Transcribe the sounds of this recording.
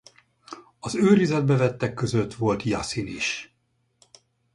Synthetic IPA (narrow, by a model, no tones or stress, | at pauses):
ɒzøːɾizɛd̪̚bɛvɛt̪ːɛkːø̞zø̞t̪ʋo̞lt̪jɑ̰siniʃ